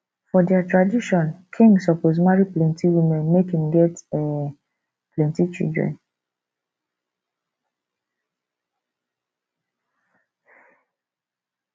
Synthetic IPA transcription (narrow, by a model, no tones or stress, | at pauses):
fɔdɛatɹadiʃɔ̃nkʰĩŋɡsɔpoz̬maɹiplɛ̃ntiwimɛ̃nmekhĩmɡɛtɛ | plɛ̃ntit͡ʃḭldɹɛ̰̃n